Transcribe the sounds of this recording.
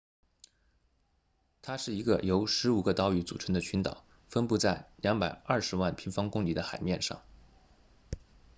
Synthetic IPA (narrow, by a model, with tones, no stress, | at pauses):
t̪ʰa˥ʂɻ̩˥˩i˧˥ɡə̰˧jo˧˥ʊʂɻ̩˧˥u˨˩ɡə˧t̪ɑ˧˥ʊy˧˥t͡sṵ˨˩ʈ͡ʂʰə˧˥ŋd̪ə˧t͡ɕʰy˧˥nt̪ɑ̰˨˩˦ʊ | fə˥npu˥˧t͡sa˥˩ɪljɑ˧˥ŋpa˨˩ɪɐ˥˩ʂɻ̩˧˥wa˥˩npʰi˧˥nfɑ˥ŋkʊ˥ŋli˧˥d̪ə˧xa˨˩ɪmjɛ˥˧nʂɑ̰˥˩ŋ